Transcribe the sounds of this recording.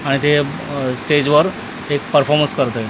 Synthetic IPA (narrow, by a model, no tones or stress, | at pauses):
aɽ̃it̪ʰe | sʈed͡ʑʋəɾ | ek̚pəɾfʰɔɾmə̃nskəɾt̪e